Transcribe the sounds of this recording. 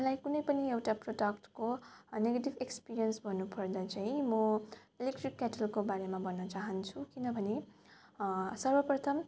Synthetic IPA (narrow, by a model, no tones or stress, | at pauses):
lajkunʌjpʌniewʈaproɖʌkʈkoneɡeʈibekspiɾijʌnsbʱʌnupʌrd̪at͡saĩmʌelek̚ʈrikːaʈʌlkobaɾemabʱʌnːʌt͡saɦʌnt͡sʰukinʌbʱʌne | sʌrbʌprʌt̪ʰʌm